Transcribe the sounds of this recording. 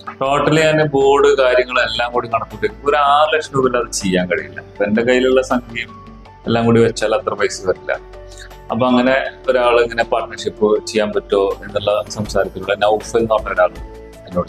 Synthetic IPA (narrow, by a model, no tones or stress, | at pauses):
roːʈːɐlaːnɨboːɽɨkaːɾjɐŋːɐɭelːaːŋkuːɽikɐɽɐk̪ːuʈːekːipːoɾaːrlɐkʂnuːbilːɐðɨt͡ɕejːaːnkɐɻijilːɐ̰ɐpːoendekɐjːiluɭːɐsɐŋɡʰʱejum | elːaːŋkuːɽiʋet͡ɕːaːlɐt̪rɐpɐjse̥sɐtːilːɐ̰ | ɐ̰pːoːɐŋːɐne̞oɾaːɭeŋːɐnepaːrʈnɐrʂipːɨt͡ɕejːaːmpɐtːo̞ːe̞nːuɭːɐsɐmsaːɾɐt̪ːiluɭːɐnɐwfɐlnoɳɐɾɐnaːɭu | enːoːɽ